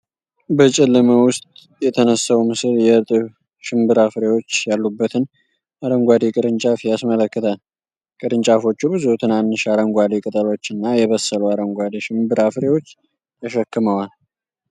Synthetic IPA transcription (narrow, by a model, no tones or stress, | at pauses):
bət͡ʃʼɪlːɨməwʊst̪ʼ | jɛt̪ʰənəsːawmɨsɨljɛt̪ʼɨβ | ʃɪmbɨɾafɾewo̞t͡ʃːjalːubːət̪ʰɨn | ʔaɾəŋɡʷad̪ekʼɨɾɨnt͡ʃʼafjasmələkːɨt̪ʰal | kʼɨɾɨnt͡ʃʼafo̞t͡ʃːubɨzut̪ʰɨnanːɨʃaɾəŋɡʷad̪ekʼɨt̪ʼəlo̞t͡ʃːɨnːajɛβəsːəluaɾəŋɡʷad̪eʃɪmbɨɾafɾewo̞t͡ʃː | jaʃəkːɨməwal